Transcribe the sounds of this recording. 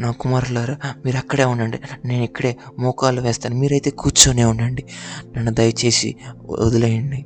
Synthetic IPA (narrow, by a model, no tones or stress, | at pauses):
naːkumaːɾɐlaːɾumiːɾɐkːɐɽe̞ːuɳdɐɳɖine̞ːnikːɐɽe̞ːmɔːkaːluʋɛːst̪aːnumiːɾɐjt̪e̞ːkuːt͡ʃoːneːunɖɐɳɖinenːud̪ɐjɐt͡ʃe̞ːsḭo̰d̪ulɐjɐɳɖi